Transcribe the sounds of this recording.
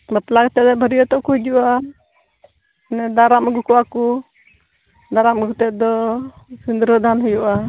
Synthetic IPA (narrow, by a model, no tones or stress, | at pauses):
bɛplakt̪ɛd̪ɔbʱəɾijɔt̪ɔʔkuɦid͡ʒuʔa | nɛd̪aɾamɡukɔwaku | d̪aɾamɡut̪ɛʔ̪̚d̪ɔ | sund̪ɾəd̪ʱanɦujuʔa